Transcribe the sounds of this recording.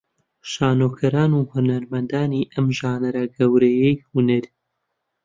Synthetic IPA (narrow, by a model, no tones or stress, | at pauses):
ʃaːnoːkʰɐɾaːnuhunɐɾmɐnd̪aːniʔɐmʒaːnɐɾɐɡɐwɾɐjɛjhunɐɾ